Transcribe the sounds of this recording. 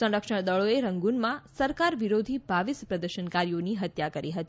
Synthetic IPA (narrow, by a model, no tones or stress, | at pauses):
sə̃ɖəkʃəɳd̪əɭoeɾəŋɡunmãsəɾkaɾʋiɾod̪ʱibʱaʋispɾəd̪əɾʃənkaɾijoniɦət̪jakəɾiɦət̪i